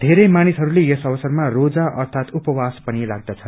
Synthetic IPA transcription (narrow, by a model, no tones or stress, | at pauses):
d̪ʱeɾʌjmanisɦʌɾulejesʌʋʌsʌrmarod͡zaʔʌrt̪ʰat̪upʌwaspʌnilaɡ̚d̪at͡sʰʌn